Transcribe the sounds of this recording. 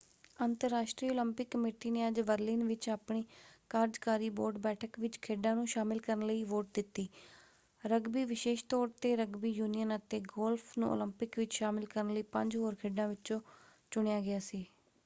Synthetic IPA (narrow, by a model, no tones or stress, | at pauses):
ənt̪əɾːaːʃʈɾiːoːləmpɪkːəmeːʈiːneːəd͡ʒbəɾlɪːnʋɪt͡ʃaːpɳiːkaːɾd͡ʒkaːɾiːboːɾɖbɛːʈʰəkʋɪt͡ʃkʰeːɖãːnũːʃaːmɪlkəɾənləiːʋoːʈ̚d̪ɪt̪ːiː | ɾəɡbiːʋɪʃeːʃt̪ɔːɽt̪eːɾəɡbiːjuːnijənət̪eːɡoːlpʰnṵ̃ːo̰ləmpɪkʋɪt͡ʃʃaːmɪlkəɾənləiːpə̃ɲd͡ʒɦoːɾkʰeːɖãːʋɪt͡ʃt͡ʃõːt͡ʃʊɳejaːɡɪjaːsiː